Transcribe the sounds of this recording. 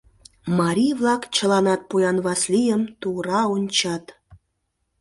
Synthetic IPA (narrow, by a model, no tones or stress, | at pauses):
mɑɾʲijβlˠɑkt͡ɕə̆lˠɑnɑt̪̚pujɑnβɑslʲijəmt̪uɾɑonʲt͡ɕɑt̪